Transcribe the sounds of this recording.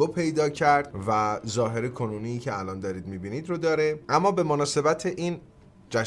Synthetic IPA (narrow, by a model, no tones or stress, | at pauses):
opʰe̞jd̪ɒːcʰæɾd̪̥̚væzɒːɦe̞ɾekʰonuːniːcʰeælɒːnd̪ɒːɾiːd̪mibiːnid̪ɾod̪ɒːɾeʔæmːɒːbe̞monɒːse̞bæt̪ʰeʔiːn | d͡ʒæ